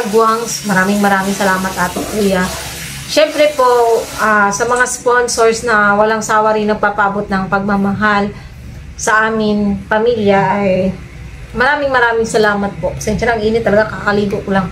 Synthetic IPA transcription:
ɐɡwaŋsmɐɾaːmɪŋmɐɾaːmɪŋsɐlaːmɐt̪ʔaːt̪ɪŋkuːjɐ | ʃɛmpɾɛpo̞ʔasɐmɐŋasponsoɹsnɐwɐlaŋsaːwɐɾɪnɐɡ̚paːpɐʔɐbot̪̚nɐŋpɐɡ̚mamɐɦal | sɐʔaːmɪnpɐmiljɐʔːj | mɐɾaːmɪŋmɐɾaːmɪŋsɐlaːmɐt̪̚pokɐsɛnʃɐɾaʔɐŋʔiːnɪt̪ːɐlɐɡakakɐliːɡokʊlaŋ

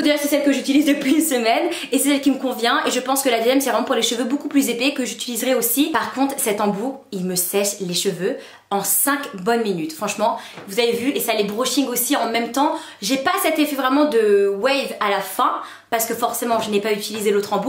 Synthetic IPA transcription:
od̪eʒasɛsɛlkəʒyt̪ilizd̪əpɥiynsəmɛn | esɛsɛlkʲiməkɔ̃vjɛ̃ʔeʒəpɑ̃skəlad̪ezjɛmsɛvʁɛmɑ̃puʁleʃəvøbokuplyzepɛkəʒyt̪ilizʁɛosipaʁkɔ̃t̪χsɛt̪ɑ̃builməsɛʃleʃəvø | ɑ̃sɛ̃kbɔnminyt̪fχɑ̃ʃmɑ̃vuzavevyʔesalebʁoʃĩŋɡosiɑ̃mɛmt̪ɑ̃ | ʒepasɛt̪efɛvʁɛmɑ̃d̪əwɛjvalafɛ̃ | paʁsə̥kəfɔʁsemɑ̃ʒənɛpayt̪ilizelot̪χɑ̃bu

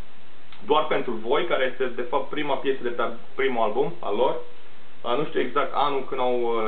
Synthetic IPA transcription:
d̪oarpe̞nt̪ɾuvo̞jkaɾe̞je̞st̪e̞d̪e̞fap̚t̪̚pɾimapje̞səd̪et̪a | pɾimualbuma̰lo̞r | anuʃt̪ʲiueɡzak̚t̪a̰nulkɨnd̪aw

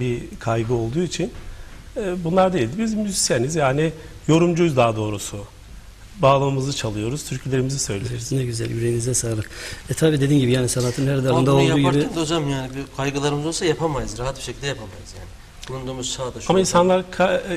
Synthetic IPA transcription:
bikʰajɡɯo̞lˠd̪uːit͡ʃʰinɛbunlˠaɾd̪ejilʲd̪ibizmːyzisijenizjaːnijo̞ɾumd͡ʒujzd̪aːd̪o̞ːɾusu | baːlˠamɯmɯzɯt͡ʃʰalˠɯjo̞ɾuz̥t̪ʰyɾcʰlʲe̞ɾimizisø̞̰jlʲeɾiznɛɟyzælʲyɾeinizɛsaːɾɯɛt̪ʰaːbiːd̪eiːnɟibijaːnisanat̪ʰɯnhɛɾd̪ɛaɾɯnd̪aolˠduːɟaɾiænd̪od͡ʒamjaːnibikʰajɡɯlˠaɾɯmɯzo̞lˠsajapʰamajɯzɾaɦat̪̚biʃecʰild̪ɛjapʰamajɯzjaːnɪ | bunund̪omuzsaːd̪aʃamainsanlˠaɾkʰa

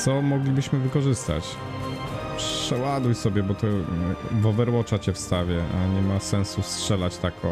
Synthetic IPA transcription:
sɔmɔɡlʲibɘɕmɘvɘkɔʐɘst̪a̰t͡ɕ | pʂɛwad̪ujsɔbʲjɛbɔt̪ɔvɔvɛɾwɔt͡ʂat͡ɕɛfst̪avʲjɛʔa̰ɲɛmasɛñsustʂɛlat͡ɕt̪akʰɔ

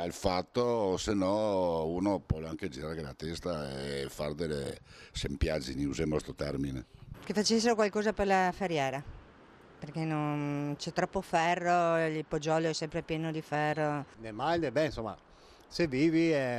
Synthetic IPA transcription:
alfat̪ːosenːɔuːnopɔaŋked͡ʒiɾaɾkelat̪ɛst̪aefard̪elḛsempjad͡ʒiniuzemost̪ɾot̪ɛrminekefat͡ʃesːeɾokwalkɔːzaperlafeɾjɛːɾa | perkenont͡ʃɛt̪ɾɔpːofɛrːoilpod͡ʒɔloɛsɛmpɾepjɛːnod̪ifɛrːonemald̪ebɛnsomːa̰ | seviːviɛ

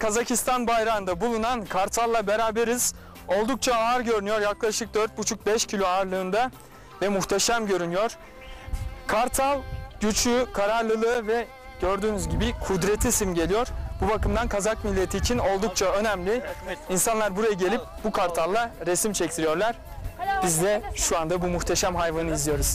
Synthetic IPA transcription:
kʰazacʰist̪ʰanbajɾand̪abulˠunankʰaɾt̪ʰalˠːabeɾaːbeɾiz̥ | o̞lˠd̪uk̚t͡ʃʰaaːɾɟø̞ɾynyjo̞ɾjaklˠaʃɯk̚d̪øɾt̪̚but͡ʃʰuk̚bɛʃcʰilʲoaːɾlˠɯːnd̪a | vɛmuxt̪ʰeʃamɟø̞ɾynyjo̞ɾ̥ | kʰaɾt̪ʰalˠɟyt͡ʃʰykʰaɾaɾlˠɯlˠɯːvɛ | ɟ̥ø̞ɾd̪yːnyzɟibikʰud̪ɾet̪ʰisimɟe̞lʲijo̞ɾ̥bubakɯmd̪ankʰazakmilʲːe̞t̪ʰiːt͡ʃʰino̞lˠd̪uk̚t͡ʃʰaø̞næmlʲiinsanlˠaɾbuɾajaɟe̞lʲip̚bukʰaɾt̪ʰalˠːaɾesimt͡ʃʰɛct̪ʰiɾijo̞ɾlˠaɾ̥ | b̥izd̪ʲɛʃuand̪abumuxt̪ʰeʃæmɦajvanɯizlijo̞ɾuz̥

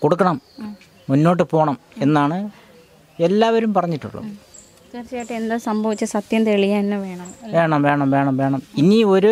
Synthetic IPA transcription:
ko̞ɽukːɐɳɐmː | unːo̞ːʈ̬ːɨpo̞ːɳɐm | e̞nːaːɳɨ | e̞lːaːʋɐɾumpɐrɐɲːiʈːṵɭːɐ̰ | t͡ɕeːrt͡ɕːɐjaːjʈːɨend̪ɐsɐmbʱɐʋit͡ɕːɨsɐt̪jɐmt̪eɭijaːinːɨʋe̞ːɳɐmʋe̞ːɳɐmʋe̞ːɳɐmʋe̞ːɳɐmʋe̞ːɳɐminio̞ɾu

